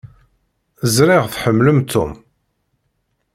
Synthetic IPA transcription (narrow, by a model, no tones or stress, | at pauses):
əzɾɪʁθħəmːləmt̪ʰːṵm